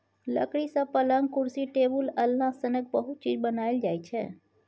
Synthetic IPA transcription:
lə̰kɽisə̃pələŋɡkʊɾsiʈebuləlːãsənək̚bəɦʊt̪̚t͡ʃid͡ʒbənaeld͡ʒaːjt͡ʃʰe

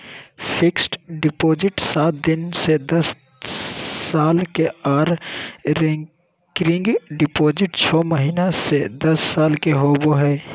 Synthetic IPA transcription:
pʰɪksʈɖɪpoːd͡ʒɪʈsaːt̪̚d̪ɪnsed̪ɐs | aːlkeaːɾɾɛ̃ | kɾɪ̃ŋɡɖɪpoːd͡ʒɪʈt͡ʃʰɔːməɦiːnased̪ɐsːaːlkeɦoːboɦɛː

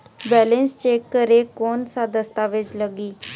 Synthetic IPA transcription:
bɛːlẽnst͡ʃeːkːəɾekoːnsad̪əst̪aʋɪt͡ʃləɡiː

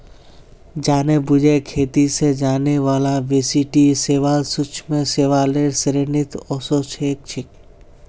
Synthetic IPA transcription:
d͡ʒaːnebʊd͡ʒekʰeːt̪ised͡ʒaːneʋaːlaʋesiʈiseːʋaːlsʊt͡ʃʰmẽseːʋaːleːɾsɾenɪt̪ɔːsot͡ʃʰeːk̚t͡ʃʰɪk

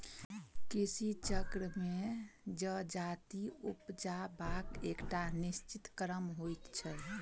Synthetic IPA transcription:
kisit͡ʃəkɾəmed͡ʒəd͡ʒat̪iupd͡ʒabakekʈanist͡ʃit̪kəɾəmɦojt̪t͡ʃʰɛ

